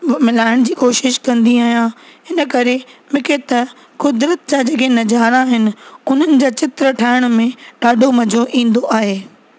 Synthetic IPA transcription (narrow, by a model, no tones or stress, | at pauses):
mɪlaːɪɽ̃d͡ʑiːkoːʃɪʃkɐ̃nd̪iaːɦijãɦɪnəkɐɾemʊkʰet̪ɐ | kʊd̪ɾət̪̚d͡ʑaːd͡ʑɐkenɐd͡ʑaːɾãɦɪnɪ̆ʊn̤ənɪ̆d͡ʑaːt͡ɕɪt̪ɾəʈʰaːɪɽ̃ʊmẽɗaːɖʱomɐd͡ʑʱoʔĩːn̆d̪oʔaːɦeː